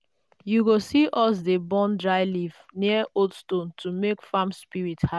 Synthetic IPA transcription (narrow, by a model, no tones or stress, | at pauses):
juɡosiʔɔsdebɔ̃ndɹaɪlivniəotstõntʰumekfamspiɹitha